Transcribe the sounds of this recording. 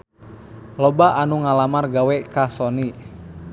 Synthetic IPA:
lɔbaʔanuŋalamarɡawɛkasɔni

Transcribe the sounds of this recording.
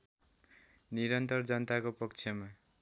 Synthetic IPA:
niɾʌnt̪ʌrd͡zʌnt̪akopʌkt͡sʰʌma

